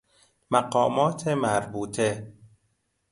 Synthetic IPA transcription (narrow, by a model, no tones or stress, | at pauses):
mæɢɒːmɒːt̪ʰemæɾbuːt̪ʰe